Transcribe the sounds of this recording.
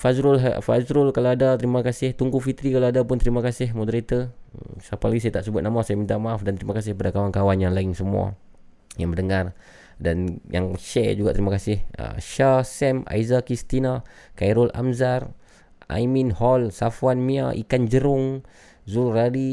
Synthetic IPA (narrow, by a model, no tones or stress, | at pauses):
fazɾʊlɦa̰fa̰zɾʊlkalaadat̪əɾimakasɪht̪uŋɡufit̪ɾikalaadapʊnt̪əɾimakasɪhmodəɾit̪əsapalaɡisajat̪aʔsəbʊt̪̚namasajamint̪amaafdant̪əɾimakas̬ɪhpadakawankawanjaŋlaɪŋsəmua̰ | jaŋbəndəŋar | danja̰ŋʃɛ̰d͡ʒuɡaʔt̪əɾimakasɪhə̰ʃasɛma̰izakɾist̪inakajɾʊlʔa̰mzar | a̰jminhɔlsafwanmiaʔḭkand͡ʒəɾʊŋ | zulradi